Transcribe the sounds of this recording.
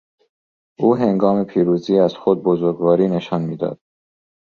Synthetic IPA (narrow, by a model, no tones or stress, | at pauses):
ʔuːɦeŋɡɒːme̞pʰiːɾuːziːæz̥xod̪̚bozoɾɡvɒːɾiːneʃɒːnmiːd̪ɒ̰ːd̪̥̚